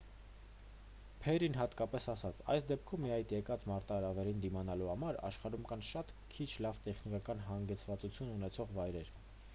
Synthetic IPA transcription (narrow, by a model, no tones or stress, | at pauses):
pʰɛɾinɦɑt̪kɑpɛsɑsɑt͡sʰɑ̰jsd̪ɛp̚kʰumːiɑjt̪jɛkɑt͡smɑɾt̪ɑɾɑvɛɾind̪imɑnɑluhɑmɑɾɑ̰ʃχɑɾumkɑnʃɑt̪ | kʰit͡ʃʰlɑvt̪ɛχnikɑkɑnɦɑŋɡɛt͡sʰvɑt͡sut͡sʰjununɛt͡sʰɔʁvɑjɾɛɾ